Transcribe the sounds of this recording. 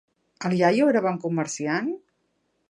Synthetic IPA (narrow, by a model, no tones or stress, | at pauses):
əlˠjajoeɾəβaŋkuməɾsian